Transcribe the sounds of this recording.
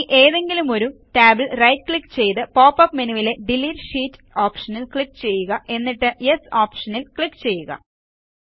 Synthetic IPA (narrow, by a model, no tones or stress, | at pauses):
ʔe̞ːðe̞ŋɡilumo̞ɾuʈaːbɨlrɐjtkɭikːt͡ɕe̞jt̪ɨpoːpːɐpmenuʋile̞ɖilːiːɾʂiːtː | oːpʂɐnilkɭikːt͡ɕe̞jːuɣɐʔe̞nːiʈːɨjesoːpʂɐnilkɭikːt͡ɕe̞jːuɣɐ̰